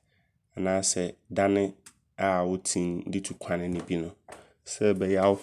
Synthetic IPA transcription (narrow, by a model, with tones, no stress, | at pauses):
ɛ˨nãː˨˦sɛ˨da˦nɪ̃˦ | a˨wʊ˦tʰĩ˦˨n̩˦dɪ˦tʰu˨kʷʰã˨nɪ̃˦nɪ̃˨bi˦nʊ̃˨ | sɛ˦bɛ˨jɛ˦a˨wʊ˦